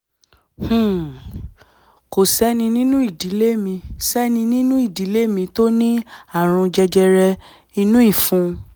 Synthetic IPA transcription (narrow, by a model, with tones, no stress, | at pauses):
hũ˦˨ | ko˨sɛ˨˦nĩ˧nĩ˦nũ˦i˦˨di˨˦le˦mĩ˧sɛ˦nĩ˧nĩ˦nũ˦i˦˨di˨˦le˦mĩ˧to˦nĩ˦a˦˨ɾ̃ũ˧d͡ʒɛ˧d͡ʒɛ˧ɾɛ˧ | i˧nũ˦i˦˨fũ˨˧